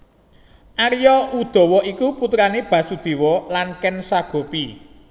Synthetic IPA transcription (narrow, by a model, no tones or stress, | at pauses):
ʔaɾjɔʔud̪̥ɔ̤wɔʔikuput̪ɾaneb̥ä̤sud̪̥e̤wɔlankɛnsaɡ̥o̤pi